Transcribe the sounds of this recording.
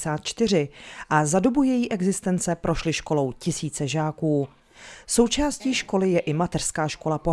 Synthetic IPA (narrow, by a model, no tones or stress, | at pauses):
saːt̪̚t͡ʃt̪ɪr̝ɪʔazado̞bujɛjiːʔɛɡzɪst̪ɛnt͡sɛpɾʔo̞ʃlɪʃko̞lo̞wcɪsiːt͡sɛʒaːkuː | so̞wt͡ʃaːsciːʃko̞lɪjɛʔɪmat̪ɛr̥skaːʃko̞lapo̞